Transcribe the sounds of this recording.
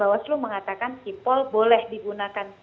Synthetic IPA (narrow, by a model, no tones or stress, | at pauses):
awasluməŋat̪akankipɔlbolɛhdiɡunakan